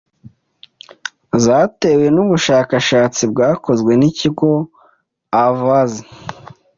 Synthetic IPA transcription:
zaːte̞we̞nuβuʃaːkaʃaːt͡sib̚ɡaːko̞zwe̞niciɡo̞ | avazi

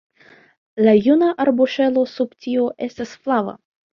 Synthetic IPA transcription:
lajunaʔaɾbuʃe̞lo̞subtio̞ʔe̞stasflava̰

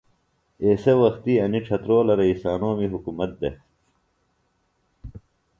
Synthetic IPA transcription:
eːsewɐxt̪iɐniʈ͡ʂʰɐt̪ɾoːlɐɾɐisaːnoːmiɦukumɐt̪̚d̪ḛ

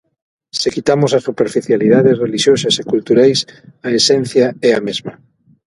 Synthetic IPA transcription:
sekit̪amosɐsupeɾfiθjaliðaðesreliʃjosɐsekult̪uɾajsaesɛn̟θjaɛamezmɐ

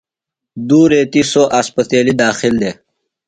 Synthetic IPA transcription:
d̪uːɾeːt̪isoʔaspət̪eːlid̪aːxild̪eː

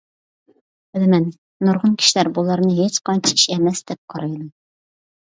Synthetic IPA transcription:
ɪlɨmɛnː | oɾʁʊnkʲʰi̥ʃilæɾbulˠɑɾnɨɦet͡ʃqɑnt͡ʃʰii̥ʃɛmɛsd̪ɛp̚qʰɑɾɑjlˠɑ

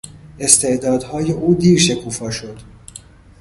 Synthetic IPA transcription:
e̞st̪ʰe̞ʔd̪ɒːd̪hɒːjeʔuːd̪iːɾʃe̞kʰuːfɒːʃo̞d̪̥

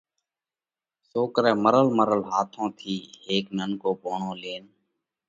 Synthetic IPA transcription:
soːkɾɛːməɾəlməɾəlɦaːt̪ʰõːt̪ʰiːheːkmənkoːboːɳõːleːn

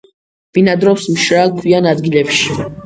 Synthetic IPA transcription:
b̥inad̪ɾɔfsmʃɾaːkʰwianad̪ɡilɛpʃi̥

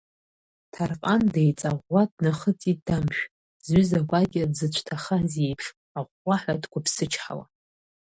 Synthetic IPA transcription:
tʰarqʼandejt͡sʼaʁʷːadnaχət͡sʼidamʃᶣ | zɥʏzaɡʷaɡʲɪdzɨt͡ʃʷʰtʰaχaze̞jpʰʂ | aʁʷːaħʷadkʷʰapʰsɨt͡ʃʰħa̰la̰

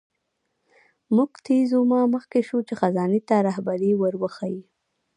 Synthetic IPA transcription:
muɡt̪ʰezumɑməxkeʃut͡ʃexazɑnet̪aɾahbaɾiwəɾwəxaji

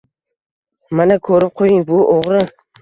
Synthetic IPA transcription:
manakʰɵɾɪp̚qʰojɪŋbʊʔoʁɾɪ

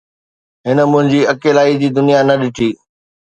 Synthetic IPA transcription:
ɦɪnə̆mʊ̃ɦɪ̃ɲd͡ʑiːɐkeːlaːid͡ʑiːd̪ʊnijanɐɗɪʈʰiː

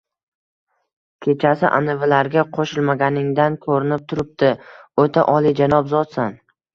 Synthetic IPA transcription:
kʲʰe̞t͡ʃʰasɪʔa̰nɪvɪlaɾɡʲaqʰoʃɪlˠmaɡʲanɪŋd̪ankʰoɾɪnɪp̚t̪ʰʊɾɪp̚t̪ɪot̪ʰa̰ʔɒlˠid͡ʒanɒpzɒt̪san

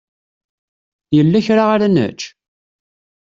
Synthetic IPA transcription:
jəlːæçɾaʁaɾanə̰t͡ʃː

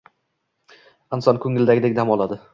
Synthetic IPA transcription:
ɪnsɒnkʰɵŋːɪld̪aɡʲɪd̪ekʲd̪amɒlˠad̪ɪ

